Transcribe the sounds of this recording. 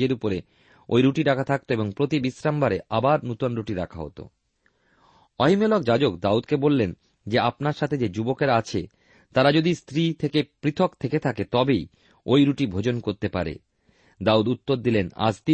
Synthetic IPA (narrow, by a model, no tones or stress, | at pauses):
eɾupoɾe | o̰jɾuʈiɾakʰat̪ʰak̚t̪oeboŋpɾot̪ibisɾambaɾeʔabaɾnut̪onɾuʈiɾakʰa̰ɦo̰t̪o̰ | ɔɦimelɔkd͡ʑad͡ʑokd̪aud̪kebolːen | d͡ʑeapnaɾʃat̪ʰed͡ʑed͡ʑubokeɾat͡ɕʰḛ | t̪aɾad͡ʑod̪ist̪ɾit̪ʰekepɾit̪ʰokt̪ʰeket̪ʰaket̪ɔbej | ojɾuʈibʱod͡ʑonkoɾt̪epaɾḛ | d̪aud̪ut̪ːoɾd̪ilena̰d͡ʑt̪i